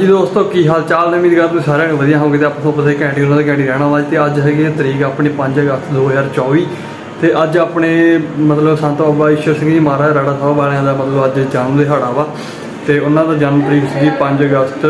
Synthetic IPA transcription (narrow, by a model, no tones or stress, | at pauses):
d͡ʒiːd̪oːst̪õːkiːɦaːlt͡ʃaːlnəmĩːd̪eɡəlõsaːɾãːnĩʋəd̪ijãːɦoːɡeːt̪eaːpãːt̪ʰõːpət̪aeːkɛ̃ːɳʈiːʊnãːd̪eːkɛ̃ːɳʈiːɾɛːɽ̃ãːʋaːd͡ʒt̪eːəd͡ʒɦɛːɡiːet̪əɾiːkaːpɳeːpəɲd͡ʒəɡəst̪d̪oːɦəd͡ʒaːɾt͡ʃɔːʋiː | t̪eːʔəd͡ʒaːpɽeːmət̪ləbsãnt̪baːbaːɪʃəɾsɪ̃ŋɡd͡ʒiːmaːɾaːɾaːɽaːsaːaːbaːlãːd̪aːmət̪ləbəd͡ʒd͡ʒaːnmd̪eːɦaːɽaːʋaː | t̪eːʊnãːd̪aːd͡ʒaːnmt̪əɾiːksɪ̃ŋɡiːpəɲd͡ʒəɡəst̪